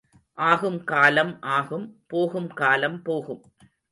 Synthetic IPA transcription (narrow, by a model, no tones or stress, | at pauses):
ʔaːɣɯmkaːlɐmʔaːɣɯmpoːɣɯmkaːlɐmpoːɣɯm